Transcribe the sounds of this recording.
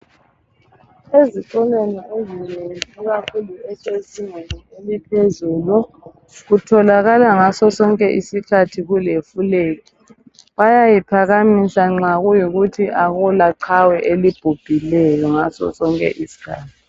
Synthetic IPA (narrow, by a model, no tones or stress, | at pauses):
eziǀɔlweniezineŋiɣakʰuluɛsʼesiŋenielipʰezuːlu | ɣutʰɔlaɣalaŋasɔsɔŋkʼɛʔisikʰatʰiɣulefuleːki | βajajipʰaɣamisaŋ͡ǁaɣujiɣutʰiʔaɣulaǀʰawɛʔelib̥ʱub̥ʱilɛjɔŋasɔ̰sɔŋkʼɛ̰ʔisi̥kʰa̰ːtʰi̥